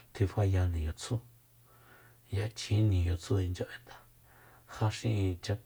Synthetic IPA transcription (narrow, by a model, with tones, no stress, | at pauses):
t̪ʰi˧fa˧ja˧nĩ˨jo˨t͡sʰu˦ | ja˧t͡ʃʰĩ˨˦nĩ˨jo˨t͡sʰu˦i˧nd͡ʒo˧ʔe˧˦nt̪ḁ˨ | ha˧ʃĩ˧ʔt͡ʃa˧